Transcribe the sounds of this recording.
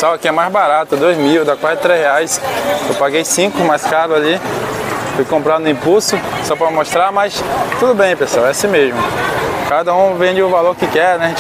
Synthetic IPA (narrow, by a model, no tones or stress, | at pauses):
sɔwɐkɪɛmajzbaɾat̪ʊd̪ojzmiwd̪akwazɪt̪ɾezheajsewpaɡejsĩkʊmajskaɾʊzali | fojkõmpɾanʊĩpuwsʊsɔpɾɐmmoʃt̪ɾamajst̪ud̪ʊbẽj̃pesawɛasĩmeʒmʊkad̪ɐũvẽd͡ʒɪʊvaloɾkɪkɛɾnɛ